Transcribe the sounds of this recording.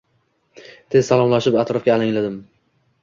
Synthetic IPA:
t̪ʰe̞zsalˠɒmlaʃɪpat̪ɾɒfɡʲaːlaŋlad̪ɪm

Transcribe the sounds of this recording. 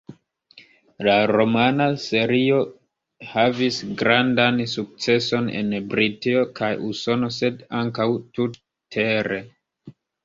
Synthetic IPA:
laɾo̞manase̞ɾio̞ | havisɡɾandansuk̚t͡se̞so̞ne̞̰nbɾitio̞kʰajuso̞no̞se̞daŋkawtu | tʰe̞ɾe̞

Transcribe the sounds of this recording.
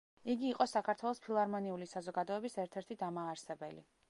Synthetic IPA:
iɡiːqʼɔsakʰaɾt̪ʰwɛlˠɔspʰilˠaɾmɔniulisazɔɡad̪ɔɛbisɛɾt̪ʰɛɾt̪ʰid̪amaːɾsɛbɛlḭ

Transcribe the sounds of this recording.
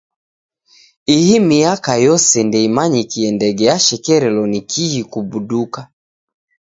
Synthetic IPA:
ihimijakajɔsɛndɛimaɲikiɛndɛɡɛaʃɛkɛɾɛlɔnikʰijikubuɗuka

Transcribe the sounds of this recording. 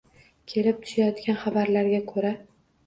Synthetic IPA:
kʲʰe̞lɪp̚t̪ʰʊ̥ʃajɒt̪kʲanχabaɾlaɾɡʲakʰɵɾa

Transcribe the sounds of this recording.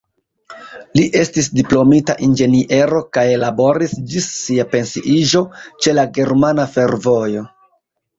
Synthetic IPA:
liʔe̞stisdiplo̞mitaʔind͡ʒe̞niʔe̞ɾo̞kajelabo̞ɾisd͡ʒisːiape̞nsiʔiʒo̞t͡ʃe̞laɡe̞ɾmanafe̞ɾvo̞jo̞

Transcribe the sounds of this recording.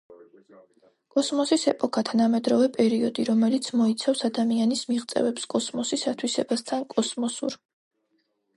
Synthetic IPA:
kʼɔsmɔsisɛpʼɔkʰat̪ʰanamɛd̪ɾɔvɛpʼɛɾiɔd̪iɾɔmɛlit̪sʰmɔit̪sʰafsad̪amianismiʁt̪sʼɛ̰vɛpskʼɔsmɔsisat̪ʰwisɛbast̪ʰankʼɔsmɔsṵɾ

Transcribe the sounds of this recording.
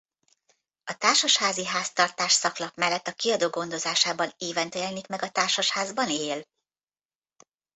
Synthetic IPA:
ɒt̪aːrʃɒʃhaːziɦaːst̪ɒrt̪aːʃsɒklɒpmɛlːɛt̪ːɒkiɒd̪oːɡo̞nd̪o̞zaːʃaːbɒneːvɛnt̪ɛlɛnikmɛɡɒt̪aːrʃɒʃhaːzbɒneːl

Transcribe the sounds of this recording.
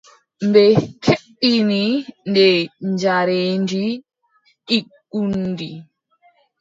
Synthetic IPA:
mbɛkʰeɓinindɛɲd͡ʒaɾeːnd͡ʒi | ʔiɡundi

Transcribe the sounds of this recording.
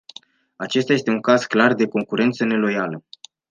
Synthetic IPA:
at͡ʃe̞st̪aje̞st̪e̞uŋkaz̥klard̪e̞ko̞ŋkuɾe̞nt̪səne̞lo̞jalə

